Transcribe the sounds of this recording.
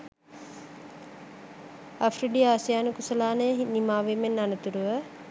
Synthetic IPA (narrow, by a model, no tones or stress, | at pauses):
afriɖiaːsijaːnəkusəlaːnəjəɦinimaːʋeːmenːanət̪uɾuʋə